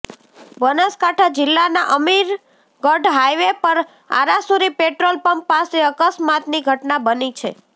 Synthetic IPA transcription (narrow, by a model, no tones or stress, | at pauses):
bənaskaʈʰad͡ʒɪlːanaʔəmiɾ | ɡəɾɖɦajʋepəɾ | a̰ɾasuɾipeʈɾolpəmpːaseəkəsmat̪niɡʱəʈnabənit͡ʃʰe